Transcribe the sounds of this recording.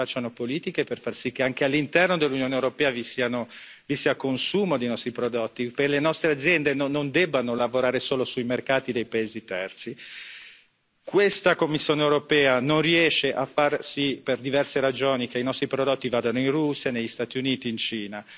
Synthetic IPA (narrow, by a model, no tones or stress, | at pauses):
at͡ʃːanopoliːt̪ikeperfarsik̟ːeaŋk̟ealːint̪ɛrnod̪elːunjoːnewɾopɛːavisiːano | visiːakonsuːmod̪ejnɔst̪ɾipɾod̪ot̪ːipelenɔst̪ɾead̪zjɛnd̪enonond̪ɛbːanolavoɾaːɾesoːlosujmerkaːt̪id̪ejpaeːzit̪ɛrt̪si | kwest̪akomːisːjoːneewɾopɛːanonriɛʃːeʔafarsiperd̪ivɛrseɾad͡ʒoːnik̟einɔst̪ɾipɾod̪ot̪ːivaːd̪anoinrusːjanejʎːist̪aːt̪iuniːt̪iːnt͡ʃiːna